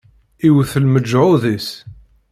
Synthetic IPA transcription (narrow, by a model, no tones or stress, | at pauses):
iwθəlməd͡ʒːʕʊðis